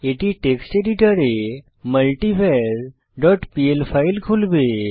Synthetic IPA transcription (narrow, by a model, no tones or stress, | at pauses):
eʈiʈeksʈeɾiʈəɾe | məlʈifʰeɾ | ɖɔʈpielpʰailkʰulbe